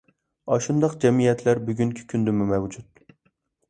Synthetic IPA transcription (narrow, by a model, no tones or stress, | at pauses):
ɑʃund̪ɑqd͡ʒɛmijɛt̪ʰlæɾbyɡʲyŋkʲʰi̥kʲʰynd̪ɪmumɛwd͡ʒut̪